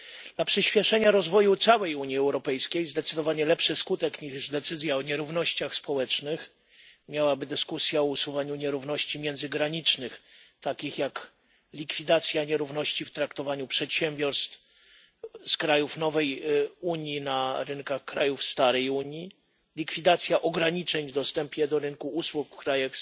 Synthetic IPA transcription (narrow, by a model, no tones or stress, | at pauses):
d̪lapʂɘɕpʲjɛʂɛɲaɾɔzvɔjut̪sawɛjuɲiɛwɾɔpɛjskʲejzd̪ɛt̪sɘd̪ɔvaɲɛlɛpʂɘskut̪ɛkɲiʐd̪ɛt̪sɘzʲjaɔɲɛɾuvnɔɕt͡ɕaxspɔwɛt͡ʂnɘx | mʲjawabɘd̪ɘskusʲjaɔusuvaɲuɲɛɾuvnɔɕt͡ɕimʲjɛnzɘɡɾaɲit͡ʂnɘxt̪akʲixjak | lʲikfʲid̪at̪sʲjaɲɛɾuvnɔɕt͡ɕift̪ɾakt̪ɔvaɲupʂɛt̪ɕɛmʲbʲjɔɾst̪f | skɾajufnɔvɛjuɲjinaɾɘnkaxkɾajufst̪aɾɛjuɲji | lʲikfʲid̪at̪sʲjaʔɔɡɾaɲit͡ʂɛɲvd̪ɔst̪ɛmpʲjɛd̪ɔɾɘnkuuswukfkɾajax